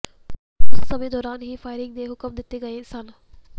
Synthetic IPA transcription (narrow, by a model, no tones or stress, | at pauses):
ʊssɐmed̪ɔːɾaːnɦifaːɪɾɪ̃ŋɡ̚d̪eːɦʊkəmd̪ɪt̪eɡɐeɪnsaːna